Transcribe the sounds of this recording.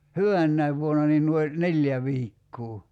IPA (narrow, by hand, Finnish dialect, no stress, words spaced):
hyʋænːæiʋ ʋuonɑ niːn nuoi nelʲjæ ʋiːkːuː